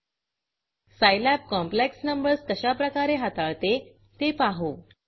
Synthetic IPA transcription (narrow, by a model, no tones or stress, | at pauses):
sajlapkɔ̃mpleksnəmbəɾst̪əɕapɾəkaɾeɦat̪aɭt̪e | t̪epaɦo